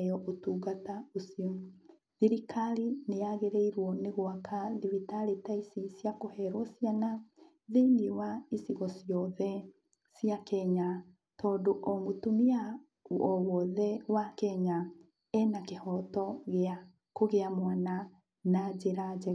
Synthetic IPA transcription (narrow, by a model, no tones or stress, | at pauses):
jɔʔotuɣataosio | ðiɾikaɾineaɣeɾeiɾwɔneɣwakʰaðiβitaletaisisjakohɛɾwɔsjana | ðeniwaisiɣɔsijɔðɛ | sjakɛɲa | tɔːdoʔɔŋɡotomia | ɔwɔðɛwakɛɲa | ɛnakehɔtɔɣea | koɣeamwana | nad͡ʒeɾad͡ʒɛ